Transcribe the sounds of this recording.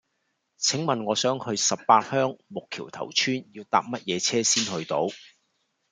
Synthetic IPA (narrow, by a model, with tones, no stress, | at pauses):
t͡sʰɪ˨˥ŋmɐ˨nŋɔː˨˧sœː˨˥ŋhɵ˧ɥsɐ˨ppaː˧t̚hœː˥ŋmʊ˨kʰḭː˨˩wt̪ʰɐ̰˨˩wt͡ʃʰyː˥njiː˧wt̪a̰ː˧p̚mɐ˥t̚jɛː˨˧t͡sʰɛː˥siː˥nhɵ˧ɥt̪o˧w